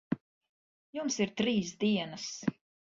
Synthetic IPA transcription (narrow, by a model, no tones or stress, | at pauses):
jumsiɾt̪ɾiːs̬d̪iɛnas